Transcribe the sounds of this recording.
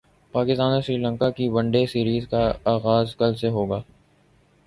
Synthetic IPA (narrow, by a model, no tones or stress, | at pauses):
paːkɪst̪aːnoʃɾiːlə̃ŋkakibɐ̃ɳɖesiːɾiːzkaaːɣaːzkɐlseɦoːɡaː